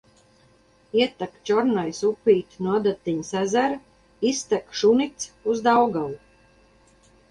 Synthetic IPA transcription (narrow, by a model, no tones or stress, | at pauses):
iɛt̪akt͡ʃɔɾnajsupʲːiːt̪nuad̪at̪ːiɲsæzæɾ | ist̪akʃunit̪suzd̪awɡalˠu